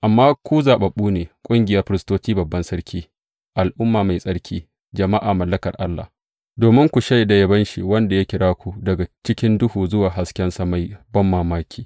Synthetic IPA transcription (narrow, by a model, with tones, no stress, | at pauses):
ʔa˨mːaː˦kʷu˦zaː˨ɓɐ˨ɓuː˦neː˨kʷʼʊ˦ŋɡʲɪ˨jɐ˦rɸɪ˨ɾɪ˨stoː˦t͡ʃiː˦bɐ˨bːɐ˦nsɐ˦ɾkʲiː˦ | ʔa˨lʔʊ˦mːaː˨ma˨jsʼɐ˦ɽkʲiː˦ | d͡ʒɐ˨ma˦ʔaː˨mɐ˨lːɐ˦kɐ̰˨rʔa˦lːa̰˨ | doː˨mɪ˦ŋkʷu˨ʃa˦jda˨jɐ˨bɐ˦nʃi˨wɐ˦nda˨ja˦kʲɪ˦ɽaː˦kʷu˨dɐ˨ɡa˨t͡ʃɪ˦kʲɪ˦ndʊ˦huː˨zʊ˦waː˨ɦa˨skʲɛ˦nsɐ˦ma˦jbɐ˦mːaː˨maː˦kʲʰiː˦